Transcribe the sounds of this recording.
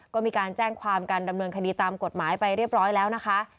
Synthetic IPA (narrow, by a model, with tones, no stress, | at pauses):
kɔː˥˩miː˧kaː˧nt͡ɕɛː˥˩ŋkʰwaː˧mkaː˧nda˧mnɤː˧nkʰdiː˧t̪aː˧mko˨˩t̪̚maː˩˦jpa˧jɾi˥˩əp̚ɾɔː˦˥jlɛː˦˥wna˦˥kʰa˦˥ʔ